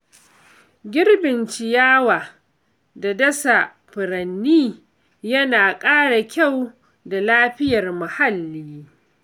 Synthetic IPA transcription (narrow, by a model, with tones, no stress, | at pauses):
ɡʲɪ˦rbɪ˨nt͡ʃɪ˨jaː˦waː˨ | da˨dɐ˦sa˨ | ɸɪ˨ɾɐ˨nːiː˦ | jɐ˦naː˨kʼaː˦ɽa˨kʲa˦˨w | da˨laː˦ɸɪ˦jɐ˨rma˨ha˦lːiː˦